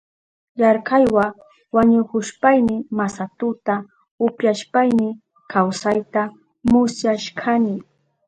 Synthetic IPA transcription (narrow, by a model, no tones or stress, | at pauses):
jaɾkɑjwa | waɲʊkʊʃpajnɪmasat̪ʊt̪a | ʊpjaʃpajnɪ | kawsajt̪a | mʊsjaʃkʰanɪ